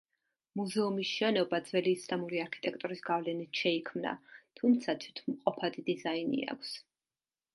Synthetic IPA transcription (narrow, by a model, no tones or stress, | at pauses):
muzɛumisʃɛnɔbad̪zvɛliːslamuɾiaɾkʰi̥t̪ʼɛk̚ʰt̪ʼuɾisɡavlɛnit̪ʰʃɛikʰmna̰t̪ʰumt̪sʰat̪ʰit̪ʰmqʼɔpʰad̪id̪izainḭa̰kʷʰs